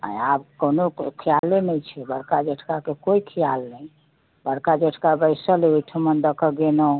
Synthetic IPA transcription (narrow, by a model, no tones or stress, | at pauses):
ə̰̃abkonokʰijalːenɛjt͡ʃʰɛbəɽkad͡ʒəʈʰkakekoikʰijalnɛ | bəɽkad͡ʒəʈʰkabəjsəleoʈʰəmənd̪əkʰəɡeno